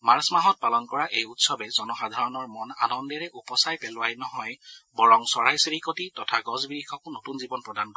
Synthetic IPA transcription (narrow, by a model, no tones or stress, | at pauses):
maɹsmaɦɔt̚palɔnkɔɹaʔejutsɔbɛzɔnɔxadʱaɹɔnɔɹmɔna̰nɔndɛɹɛʔupɔsajpɛlʊwajnɔɦɔjbɔɹɔŋsɔɹajsɹikotitɔtʰaɡɔzbiɹikʰɔkʊnotunzibɔnpɹɔdankɔ